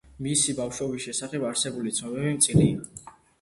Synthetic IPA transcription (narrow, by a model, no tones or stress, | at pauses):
misibafʃɔbisʃɛsaχɛbaɾsɛbulit̪sʰnɔbɛbimt̪sʼiɾi